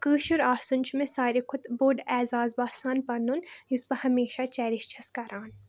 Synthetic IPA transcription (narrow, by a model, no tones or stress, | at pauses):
kɨːʃuɾaːsunt͡ʃmẽsaːɾikʰʊt̪boːɖɛːzaːzbaːsaːnpɐnunjuspɐhɐmeːʃat͡ʃɛːɾiʃt͡ʃʰɐskɐɾaːn